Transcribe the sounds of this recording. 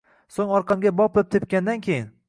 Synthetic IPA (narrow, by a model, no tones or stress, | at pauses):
soŋɒɾqʰɑmɡʲabɒp̚lap̚t̪ʰep̚kʲand̪ankʲʰejɪn